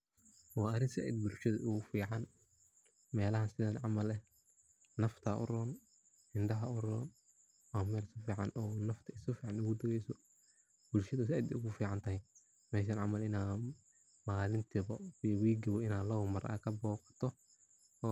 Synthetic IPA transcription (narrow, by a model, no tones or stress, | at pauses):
wɑːɐɾɪnsɪʔɛ̰d̪̚bʊlʃɐðɐʔʊɣʊfiːʕɑn | mɛːlɐɦɐnsɪðɐnʕɑmɐlɛ | nɐft̪ʰaʔʊ̰rɔːn | ɪnɖɐɦɐʊrɔːn | ɔːmɛːlsɐfiːʕɑnʔɔnɐft̪ʰɐɪsʊfiːʕɑnʊɣʊd̪ɐɣɛjsɔ | b̥ʊlʃɐðɐs̬ɪʔɛd̪ʊɣʊfiːʕɑnt̪ʰɐɦɛj | mɛːʃ̬aːnʕɑmɐlɪnaː | maːlɪnt̪ʰiβɐiwiːɡɪβɔɪnaːlɐwʊmɐra̰kʰɐbɔːqt̪ʰɔ | ɔː